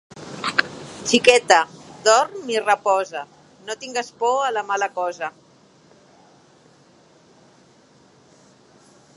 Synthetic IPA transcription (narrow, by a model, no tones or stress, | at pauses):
t͡ʃikɛt̪əd̪ɔrmirəpɔzə | not̪iŋɡaspɔələmaləkɔzə